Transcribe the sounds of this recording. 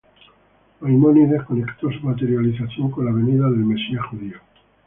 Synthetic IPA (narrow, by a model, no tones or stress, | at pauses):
ojmoniðehko̞ne̞kt̪osumat̪e̞ɾjaliθaθjo̞ŋkonlaβ̞e̞niðaðe̞lme̞siaxuðio